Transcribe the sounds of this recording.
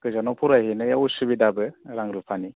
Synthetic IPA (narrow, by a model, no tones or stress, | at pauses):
kɯzanɔpʰuɾajhenɯjausɯbidabɯɾaŋɾɯpʰani